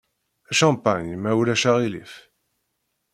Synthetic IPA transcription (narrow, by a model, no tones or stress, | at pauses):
æʃɑ̃paɲmæwlæʃaʁilḭf